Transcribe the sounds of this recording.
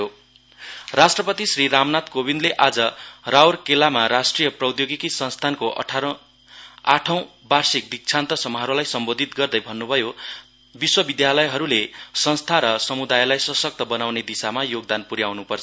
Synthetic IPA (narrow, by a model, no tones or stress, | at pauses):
o | rasʈrʌpʌt̪isriɾamnat̪kobind̪leʔad͡zʌrawrkelamaɾasʈrijʌprʌwd̪joɡikisʌnst̪ʰankoʔʌ̰ʈʰaɾʌ̃ | aʈʰʌ̃w̃ | barsik̚d̪ik̚t͡sʰant̪ʌsʌmːʌɦʌɾolajsʌmbod̪ʱit̪̚ɡʌrd̪ʌjbʱʌnːubʱʌjo | biswʌbid̪jalʌjɦʌɾulesʌnst̪ʰaɾʌsʌmud̪ajlajsʌsʌk̚t̪ʌbʌnawned̪isamajoɡ̚d̪anpuɾjawnupʌrʰ